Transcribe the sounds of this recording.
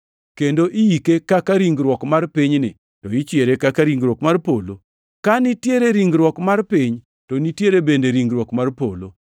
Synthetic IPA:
kendoʔɪjikekakaɾiŋɡɾwɔkmarpiɲnɪ̰ | toit͡ʃjeɾekakaɾiŋɡɾwɔkmarpolo | kanitjeɾeɾiŋɡɾwɔkmarpiɲ | tonitjeɾebendeɾiŋɡɾwɔkmarpo̰lo̰

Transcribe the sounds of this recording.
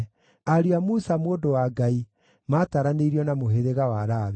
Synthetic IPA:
aɾiamusamoːdowaɡai | mataɾaneiɾiɔnamoɦeðeɣawaɾaβ

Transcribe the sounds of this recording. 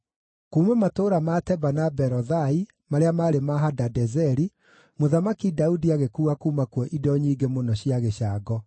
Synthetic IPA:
kuːmɛmatoːɾamatɛbanabɛɾɔðai | maɾeamaɾemaɦadadɛzɛɾi | moðamakidaudiaɣekuːakuːmakwɔʔidɔɲiːɡemonɔɕiaɣeʃaːɡɔ

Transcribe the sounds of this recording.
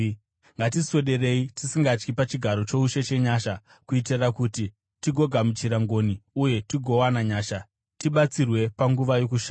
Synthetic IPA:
ŋɡat̬iso̞ɗe̞re̞itisiŋɡat͡ʃkipat͡ʃiɡʱaɾo̞t͡ʃo̞uʃe̞t͡ʃe̞ɲaːʃa | kuit̬irakuti | tiɡʱo̞ɡʱamut͡ʃiɾaŋɡo̞niuje̞tiɡʱo̞wanaɲaːʃa | tiɓat͡sirwe̞paŋɡuʋajo̞kuʃaː

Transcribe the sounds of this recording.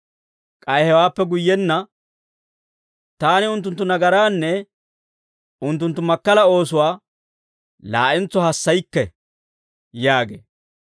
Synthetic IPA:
kʼɐjhɛwaːpːɛɡʊjːɛnːɐ | t̪aːnɪʊnt̪̬ːʊnt̪ːʊnɐɡɐɾaːnːɛ | ʊnt̪ːʊnt̪ːʊmɐkːɐlɐo̞ːs̬ʊwaː | la̰ːʔɛnt͡sːɔhɐsːɐjkːɛ | jaːɡḛː

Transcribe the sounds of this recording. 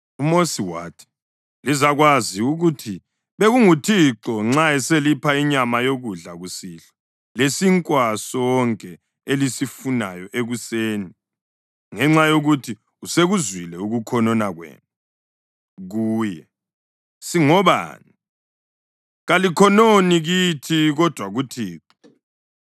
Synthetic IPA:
umosiwa̰tʰi̥ | lizaɣwaziuɣutʰi | βeɣuŋutʰiǁɔŋ͡ǁaɛselipʰaiɲamajoɣuɮaɣusiːɬḁ | lesiŋkʼwasɔɔŋkʼɛ | elisifunajɔʔeɣuseːni | ŋɛŋ͡ǁajoɣutʰi | useɣuzwilɛuɣukʰɔnɔnaɣwɛ̰ːna | ɣuːjɛ | siŋɔβa̰ni | ɣalikʰɔnoniɣitʰiɣɔd̥ʱwaɣutʰiːǁɔ

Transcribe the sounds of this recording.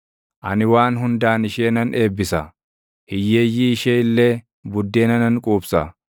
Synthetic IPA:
ʔɐnɪwaːnɦʊnd̪aːnɪʃeːnɐneːbːɪsɐ | hɪjːe̞ːjːiːʃeːɪlːeː | bʊd̪ːeːnɐnɐŋkʼuːbsɐ

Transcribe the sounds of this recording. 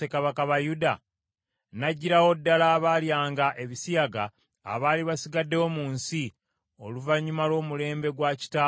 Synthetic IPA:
ekaβakaβajuda | naɟːiɾawo̞dːalaːβaːljaːŋɡaʔe̞βisijaɡa̰ː | βaːliβasiɡadːe̞wo̞muːnsi | o̞luvaɲːumalo̞ːmule̞ːmbe̞ɡwaci̥taː

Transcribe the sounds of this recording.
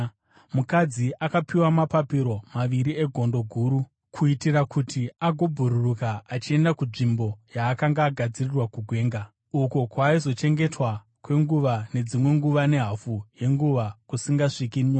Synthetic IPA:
mukad͡ziʔakapiwamapapiɾo̞maʋiɾie̞ɡʱo̞ndo̞ɡʱuːɾu | kʰuitirakʰutiaɡʱo̞bʱuɾurukaːt͡ʃie̞ndakunʐimbo̞jaːkaŋɡaːɡʱad͡zirirwakuɡʱwe̞ːŋɡa | ukokwaːizo̞t͡ʃe̞ŋɡe̞twa | kwe̞ŋɡuʋane̞d͡zimwe̞ŋɡuʋane̞ɦafuje̞ŋɡuʋakusiŋɡaʂikinɲoːa

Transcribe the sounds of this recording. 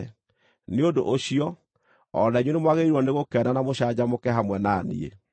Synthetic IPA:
neodoʔoɕiɔ | ɔ̰naiɲwenemwaɣeɾiɾwɔneɣokɛnanamoɕad͡ʑamokɛɦamwɛnanḭḛ

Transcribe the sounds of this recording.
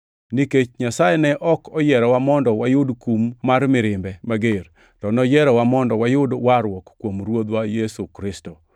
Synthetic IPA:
niket͡ʃɲasajɛnɛʔɔkɔjɛɾɔwamɔndɔwajʊdkumːaɾmɪɾɪmbɛmaɡer | tɔnɔjɛɾɔwamɔndɔwajʊdwaɾwɔkkːwomɾwod̪wajesukɾɪsto

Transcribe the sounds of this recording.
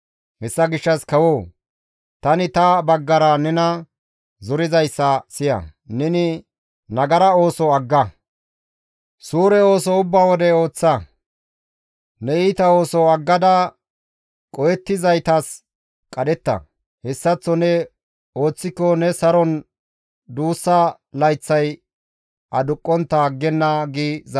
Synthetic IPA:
hɛsːɐɡɪʃːɐskɐwoː | t̪ɐnɪt̪ɐbɐɡːɐɾɐnɛnɐ | zɔɾɪzɐjsːɐsɪjɐ̰nɛnɪ | nɐɡɐɾɐo̞ːsɔɐɡːɐ | suːɾɛo̞ːsɔʊbːaːwɔd̪ɛo̞ːt͡sːɐ | nɛiːt̪ɐo̞ːsɔɐɡːɐd̪ɐ | kʼɔjɛt̪ːɪzɐjt̪ɐs | kʼɐd̪ɛt̪ːɐ̰ | hɛsːɐt͡sːɔnɛ | o̞ːt͡sːɪkːɔnɛsɐɾɔn | d̪uːsːɐ | lɐjt͡sːɐj | ʔɐd̪ʊkʼːɔnt̪ːɐɡːɛnːɐɡiːz

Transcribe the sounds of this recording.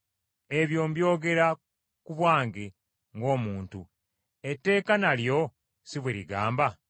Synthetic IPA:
e̞βjo̞ːmbjo̞ːɡe̞ɾa | kuβwaːŋɡe | ŋɡo̞ːmuːntu | e̞tːe̞ːkanaljo̞ | siβweɾiɡaːmba

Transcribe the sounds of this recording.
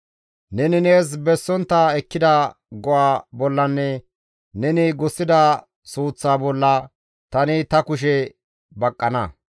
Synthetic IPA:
nɛnɪneːs̬bɛsːɔnt̪ːɐɛkːɪd̪ɐ | ɡɔʔaːbɔlːɐnːɛ | nɛnɪɡɔsːɪd̪ɐ | suːt͡sːaːbɔlːɐ | t̪ɐnɪt̪ɐkʊʃ̬ɛ | bɐkʼːɐnɐ̰

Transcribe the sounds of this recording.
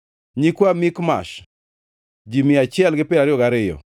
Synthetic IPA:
ɲikwamɪkma̰ʃ | d͡ʒimɪat͡ʃɪɛlɡɪpɪɾaɾɪjɔɡaɾɪjɔ̰

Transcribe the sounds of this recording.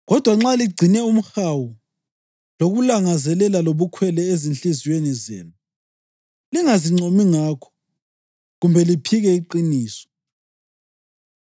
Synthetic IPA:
ɣɔd̥ʱwaŋ͡ǁaliɡ͡ǀʱinɛum̩xawu | loɣulaŋazɛlɛlaloβukʰwɛlɛezinɬiziwenizḛːnu | liŋaziŋ͡ǀomiŋakʰɔ̥ | ɣumbʱɛlipʰiɣɛiǃiniːsɔ̥

